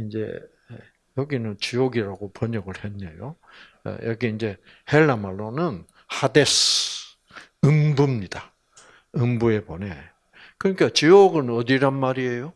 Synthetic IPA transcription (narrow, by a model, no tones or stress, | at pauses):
ind͡ʑe̞̰ | jʌɡinɯnt͡ɕioɡiɾaɡopʌɲʌɡɯɭhenːejo̰ | jʔʌɡiind͡ʑe̞ | heɭːamaɭːonɯn | hades | ɯmbumɲida | ɯmbue̞pone̞ | kɯɲikat͡ɕijoɡɯnʌd̪iɾanmaɾie̞jo